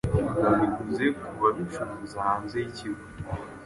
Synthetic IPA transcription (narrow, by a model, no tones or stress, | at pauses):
aβiɡuzekuβaβifuːzahaːnzeiciɾɡo